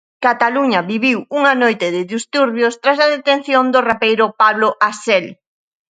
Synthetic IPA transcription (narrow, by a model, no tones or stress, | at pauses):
kat̪aluɲɐβiβiwuŋanojt̪ɪðɪðist̪uɾβjost̪ɾas̬aðet̪ẽn̟θjond̪ʊrapejɾʊpaβlʊʔasɛl